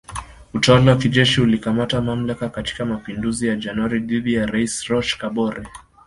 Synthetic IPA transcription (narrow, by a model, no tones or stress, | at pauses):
utawalawakiʄɛʃiulikamatamam̩lakakati̥kamapinduzijad͡ʒanwaɾiðiðijaɾaisɾɔʃkaɓɔɾɛ